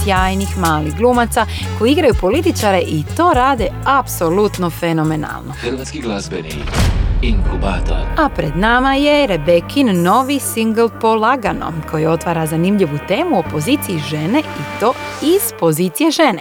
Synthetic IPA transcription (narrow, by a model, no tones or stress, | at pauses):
sjaːjnixmaːlixɡlˠuːmat̪sako̞jiiɡɾajupo̞lit̪it͡ʃaɾe̞ʔit̪o̞ːɾaːd̪e̞apso̞lut̪no̞feno̞mena̰lno̞xəɾʋaːt̪skiɡlazbenḭ | iŋkubaːt̪o̰apɾe̞d̪namaje̞ɾe̞be̞kʰinno̞ʋisiŋɡlˠpo̞lˠaɡano̞̰mkʰo̞jio̞t̪ʋaːɾazanimʎiʋut̪e̞ːmuopo̞ziːt̪sijiʒe̞ne̞it̪o̞ː | iz̥po̞ziːt̪sije̞ʒe̞ne